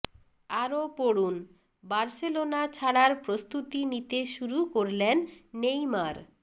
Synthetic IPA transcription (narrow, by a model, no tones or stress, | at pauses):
aɾopoɽun | baɾselonat͡ɕʰaɽaɾpɾost̪ut̪init̪eʃuɾukoɾlenːejmaɾ